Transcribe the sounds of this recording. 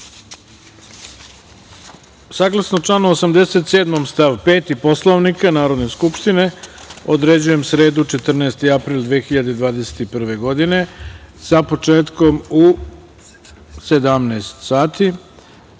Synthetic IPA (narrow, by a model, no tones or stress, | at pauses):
saːɡlˠasnot͡ʂlˠanoosamd̪e̞set̪seːd̪momst̪aʋpe̞ːt̪ipo̞slˠoʋnikanaːɾo̞d̪ne̞skupʃt̪ine̞o̞d̪ɾe̞d͡ʑuje̞msɾe̞ːd̪ut͡ʃe̞t̪r̩naest̪iapɾiːlˠd̪ʋeːxiʎad̪ed̪ʋaːd̪e̞se̥t̪ipr̩ʋe̞ɡo̞d̪ine̞sapo̞t͡ʃe̞ːt̪ko̞mu | se̞d̪amnaest̪saːt̪i